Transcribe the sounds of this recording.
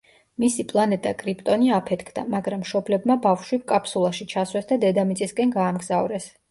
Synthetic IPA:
misipʼlˠanɛt̪ʼakʼɾipʼt̪ʼɔniapʰɛt̪ʰkʰd̪a̰maɡɾamːʃɔblɛbmabafʃwip̚kʼapʰʼsulˠaʃit͡ʃʰaswɛsd̪ad̪ɛd̪amit̪sʼiskʼɛnɡaːmɡzavɾɛs

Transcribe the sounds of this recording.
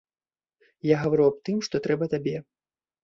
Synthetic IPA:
jaɣɐvaɾuap̚t̪ɨmʂt̪ɔt̪ɾɛbɐt̪abʲɛ

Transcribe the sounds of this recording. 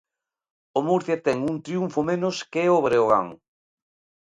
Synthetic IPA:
omuɾθjat̪ɛŋuŋt̪ɾiuɱfomenoskeɛoβɾeoɣa̰ŋ

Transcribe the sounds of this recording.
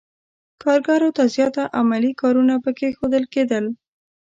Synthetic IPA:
kɑɾɡɑɾot̪azjɑt̪aʔamalikɑɾunapəkexod̪əlked̪əl

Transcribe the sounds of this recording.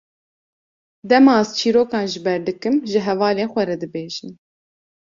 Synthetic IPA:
d̪ɛmɑːzt͡ʃʰiːɾoːkɑːnʒɨbɛɾd̪ɨkɨmʒɨɦɛvɑːleːnxʷɛɾɛd̪ɨbeːʒɨn

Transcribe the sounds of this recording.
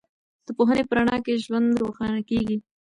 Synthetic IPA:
d̪̥əpoɦənepəɾaɳɑkeʒwand̪ɾoxɑnakeɡi

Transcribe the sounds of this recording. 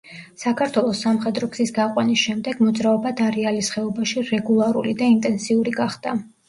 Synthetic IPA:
sakʰaɾt̪ʰwɛlˠɔsːamχɛd̪ɾɔkʰsisɡaqʼwanisʃɛmd̪ɛɡ̥mɔd̪zɾaɔbad̪aɾɛalisχɛɔbaʃiɾɛɡulˠaɾṵlid̪aint̪ʼɛnsiuɾiɡaχd̪̥a

